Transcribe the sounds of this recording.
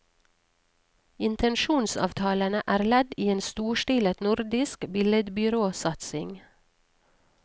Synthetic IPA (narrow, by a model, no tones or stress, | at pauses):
ɪnt̪ʰənʃuːnsɑ̰ːʋt̪ʰɑːlənəʔæːɾlɛd̪iːeːnst̪uːʃʈiːlət̪nʊɾd̪ɪskbɪləd̪bʏɾoːsɑt̪sɪŋ